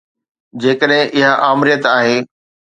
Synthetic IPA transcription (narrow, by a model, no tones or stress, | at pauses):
d͡ʑeːkəɗɦɪ̃ʔɪɦaʔaːmɾijət̪aːɦeː